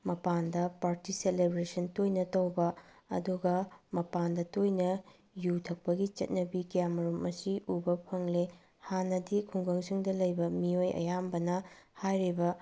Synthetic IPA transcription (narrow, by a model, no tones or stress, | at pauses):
mɐpandɐpaɾtiselebɾesɐntojnɐtɐwbɐ | ɐ̰duɡɐmɐpandɐtojnɐ | jutʰɐk̚pɐɡit͡ʃɐ̰t̚nɐbikijamɐɾumɐsiubɐpʰɐŋle | hanɐdikʰuŋɡɐŋsiŋdɐlɐjbɐmiojɐ̰jambɐnɐhajɾibɐ